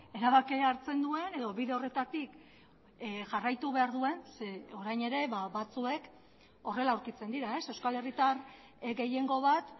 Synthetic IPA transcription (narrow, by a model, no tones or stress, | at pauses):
e̞ɾaβakeaɾt͡se̞nd̪ue̞ne̞ðo̞βiðe̞o̞re̞t̪at̪ik | ʝarajt̪uβe̞aɾðue̞nseoɾajne̞ɾe̞βaβat͡sue̞k | o̞re̞lauɾkit͡se̞nd̪iɾae̞sewskale̞rit̪ar | ɡe̞je̞ŋɡo̞β̞at̪